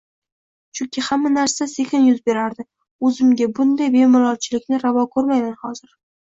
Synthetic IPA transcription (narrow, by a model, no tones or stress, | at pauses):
t͡ʃʰʊŋkʲʰɪhamːanaɾsasekʲɪnjʊzbe̞ɾaɾd̪ɪ | ɵzɪmɡʲabʊnd̪ajbe̞mɪlˠɒlt͡ʃʰɪlɪkʲnɪɾavɒkʰoɾmajmanχɒzɪɾ